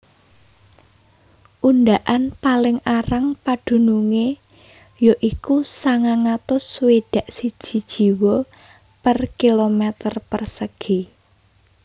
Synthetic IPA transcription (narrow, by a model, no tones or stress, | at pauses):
ʔund̪aʔanpalɪŋaɾaŋpad̪̥ṳnuŋe | joʔikusaŋaŋat̪ʊsweɖ̥a̤ʔsid̥ʒ̥i̤d̥ʒ̥i̤wɔ | pərkilomɛt̪ərpərsəɡ̥i